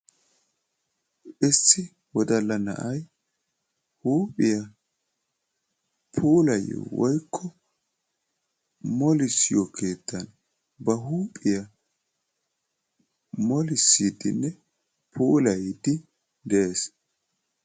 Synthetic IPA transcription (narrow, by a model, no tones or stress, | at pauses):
ʔɪsːɪ | wɔd̪ɐlːɐnɐ̰ʔɐj | huːpʼːɪjɐ | pʰuːlɐjːɔ̰wɔjkʰːɔ | mɔlɪsɪjɔkʰe̞ːt̪ːɐn | bɐɦuːpʼːɪjɐ | mɔlɪsːid̪ɪ̰nːɛ | pʰuːlɐjd̪ɪ | d̪ɛʔeːs